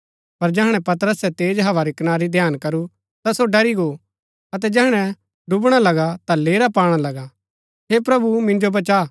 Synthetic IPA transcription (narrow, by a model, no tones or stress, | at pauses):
pɐɾd͡ʒɛɦɽ̃ɛ̃pɐt̪əɾəsɛt̪eːd͡ʒɦɐʋaɾikɪnaːɾid̪ʱjaːnkɐɾu | t̪asoɖɐɾiɡo | ɐt̪̬ɛd͡ʒɛɦɽ̃ɛ̃ | ɖʊbɽ̃alɐɡat̪aleːɾapaːɽ̃alɐɡa | ɦepɾɐbumɪ̃nd͡ʒobɐt͡ʃa